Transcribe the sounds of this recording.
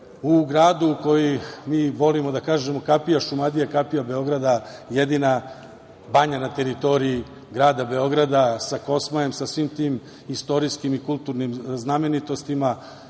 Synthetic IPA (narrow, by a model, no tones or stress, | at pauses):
uɡɾaːd̪uko̞jimiːʋo̞limo̞d̪akaːʒe̞mo̞kapijaʃumad̪ijakapijabe̞o̞ɡɾad̪ajed̪ina | baɲanat̪e̞ɾit̪o̞ɾii | ɡɾaːd̪abe̞o̞ɡɾad̪asako̞smajemsasʋiːmt̪iːm | ist̪o̞ɾiskimikulˠt̪uɾnimzname̞nit̪o̞st̪ima